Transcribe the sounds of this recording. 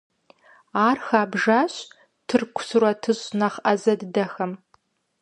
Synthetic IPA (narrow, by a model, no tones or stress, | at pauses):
aːrxaːbʒaːɕ | tʰɨrkʷʰʊ̥sɨrɐtʰɨɕnɐχʔɐzɐddɐxɐm